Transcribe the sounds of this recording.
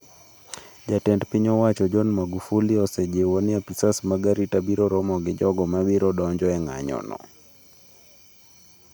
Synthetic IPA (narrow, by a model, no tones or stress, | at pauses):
d͡ʒatɛndpiɲɔwat͡ʃɔd͡ʒɔnmaɡufuliɔsɛd͡ʒewoniapisasmaɡaɾitabiɾɔɾɔmɔɡɪd͡ʒɔɡɔmabiɾɔɗɔɲd͡ʒɔɛŋa̰ɲɔ̰nɔ̰